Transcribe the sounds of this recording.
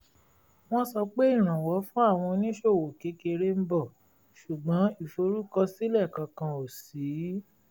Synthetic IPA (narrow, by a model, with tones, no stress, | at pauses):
w̃ɔ̃˦sɔ˧k͡pe˦i˦˨ɾ̃ã˨wɔ˨˦fũ˦a˦˨w̃ɔ̃˧nĩ˦ʃo˦˨wo˨ke˨˦ke˧ɾe˦m̩˦bɔ˦˨ | ʃu˨ɡ͡bɔ̃˨˦i˦˨fo˧ɾu˦kɔ˧si˦lɛ˦˨kã˧kã˧o˨si˨˦